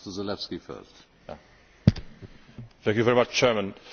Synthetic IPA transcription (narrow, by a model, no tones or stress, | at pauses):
təzəlɛfskifɛ̰lt | ja̰ | θæ̃ŋkjuvɛɹimat͡ʃt͡ʃʰɛɹmə̃n